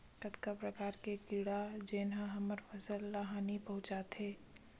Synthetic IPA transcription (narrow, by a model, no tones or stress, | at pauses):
kət̪kapɾɐkaːɾkekɪɽad͡ʒeːnãɦɐməɾfɐsəlːaɦaːnipɐɦʊ̃t͡ʃaːt̪ɦeː